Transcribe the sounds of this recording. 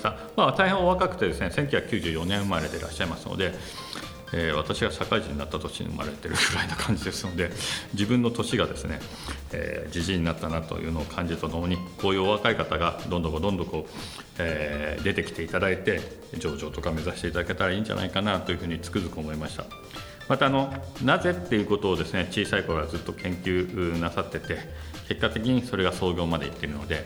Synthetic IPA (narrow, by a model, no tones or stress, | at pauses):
t̪a | maːt̪aihẽoβakakɯ̟̥t̪e̞d̪e̞sɨne̞sẽ̞ŋkʲo̟çakkʲɨːʑɨːjo̞nẽ̞mmaɾed̪e̞ɾa̰ɕːaimasɨno̰d̪e̞ | eːβat̪aɕiɡaɕakaiʑiɲ̟inat̪ːat̪o̞ɕiɲḭɯ̰mʔa̰ɾe̞t̪e̞ɾɯ̟ɡɯ̟ɾainokʰãɲ̟d͡ʑid̪e̞sɨno̞d̪e̞d͡ʑibɯ̟̃nːo̞t̪o̞ɕiɡad̪e̞sɨne̞̰ | ḛːd͡ʑiʑiɲ̟ːinat̪ːanat̪o̞̰jɯ̟̰ːno̞ːkʰãɲ̟d͡ʑit̪anooɲ̟ikʰo̞ːjɯ̟ːoβakaikat̪aɡad̪õnd̪okod̪õ̞nd̪o̞ko̞ː | ed̪e̞t̪e̞kʲi̥t̪e̞it̪ad̪ait̪e̞ | d͡ʑo̞ːʑo̞ːt̪o̞kame̞zaɕi̥t̪e̞it̪ad̪ake̞t̪aɾaĩːɲ̟d͡ʑa̰na̰ikanat̪o̞jɯ̟ɸɯ̟ːɲ̟it͡sɨ̥kɯ̟zɨkɯomo̞imaɕi̥t̪a̰ | mat̪aːno̞naze̞t̪ːe̞iɯ̟ːko̞t̪o̞ːd̪e̞sɨne̞t͡ɕiːsaikoɾoɡad͡zɨt̪ːo̞kẽ̞ŋkʲɨːnasat̪ːe̞t̪e̞ | ke̞kːat̪e̞kʲiɲ̟iso̞ɾe̞ɡaso̞ːɡʲo̞ːmad̪e̞it̪ːe̞iɾɯ̟no̞d̪e̞